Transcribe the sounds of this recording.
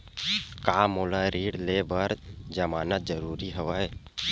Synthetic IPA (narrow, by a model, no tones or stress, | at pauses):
kaːmoːlaɾiːɽlebəɾd͡ʒəmaːnət̪̚d͡ʒəɾuːɾiɦəʋaːe